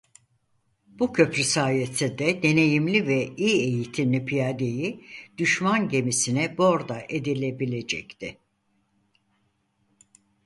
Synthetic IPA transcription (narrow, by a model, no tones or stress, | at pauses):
b̥ucʰø̞pɾysaːjesɛd̪ɛd̪e̞ne̞jimlʲivɛiːe̞jit̪ʰimlʲipʰijad̪e̞jid̪̥yʃmanɟe̞misinɛbo̞ɾd̪aʔe̞d̪ilʲe̞bilʲe̞d͡ʒɛct̪ʰɪ